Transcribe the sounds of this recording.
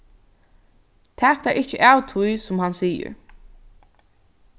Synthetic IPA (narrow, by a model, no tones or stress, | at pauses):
t̪ʰæːkt̪aɹʔɪht͡ʃəʔaːwt̪ʰʊjsʊmɦansiːə̰ɹ